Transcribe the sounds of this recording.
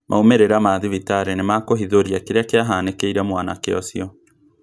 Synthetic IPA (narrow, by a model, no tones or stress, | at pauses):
mʔa̰omeɾeɾamaːðiβitaɾɛnemakoɦiðoɾiakeɾeakeaɦaːnekeiɾamwana̰keɔ̰sjɔ